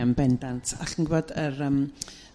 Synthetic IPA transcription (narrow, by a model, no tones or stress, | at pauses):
əmbɛndantʰaɬənɡɪboːdəɾəm